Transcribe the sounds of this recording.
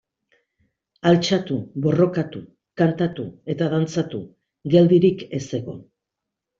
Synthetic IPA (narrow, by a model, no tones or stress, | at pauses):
alt͡ʃat̪uβo̞ro̞kat̪u | kant̪at̪ṵe̞t̪aðant͡sat̪u | ɡe̞ld̪iɾike̞se̞ɣo̞̰